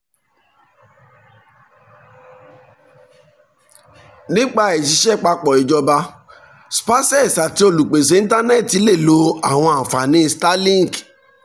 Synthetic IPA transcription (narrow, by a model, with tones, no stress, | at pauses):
nĩ˦k͡pa˦˧e˨t̬i˧˦ʃɛ˦˨k͡pa˧k͡pɔ˨i˨d͡ʒɔ˧ba˧ | spa˦sɛ˦˨sa˨ti˨˦o˧˨lu˨k͡pe˨s̬e˦ĩ˦ta˦nɛ˦˨ti˨˦le˦˨lo˨˦a˦˨w̃ɔ̃˧a˨fa˨nĩ˦sta˦lĩ˦˨k